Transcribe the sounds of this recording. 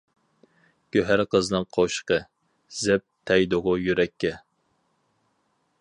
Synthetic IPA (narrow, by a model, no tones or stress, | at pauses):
ɡ̥ʲøɦæɾqʰəznɨŋqʰoʃqə | z̥ɛp̚t̪ʰːɛjd̪oʁʊjyɾɛkʲːɛ